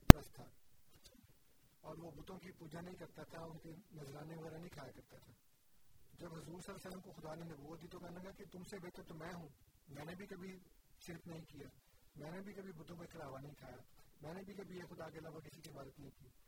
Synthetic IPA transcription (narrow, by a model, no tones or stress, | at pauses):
pɾəst̪ʰːaː | ɔːɾʋobʊt̪õkipuːd͡ʒanɐɦĩkɐɾt̪at̪ʰaʊnkenɐzɾaːneʋɐɣɛːɾanɐĩkʰaːjakɐɾt̪at̪ʰaː | d͡ʒɐbɦʊzuːɾsɐlːaːsəlːəmkoxʊd̪aːnenɐbuːət̪̚d̪iːt̪ʰokɛːnakaaket̪ʊmsebeːt̪əɾt̪omɛ̃ːɦũːmɛ̃ːnebʱikɐbʱiʃɪɾfnɐɦĩkijaːmɛ̃ːnebʱikɐbʱibʊt̪õkekɐɾaːʋanɐɦĩkʰaːjaːmɛ̃ːnebʱikɐbʱiexʊd̪akeɐlaːʋakɪsikibaːd̪ət̪nɐɦĩkiː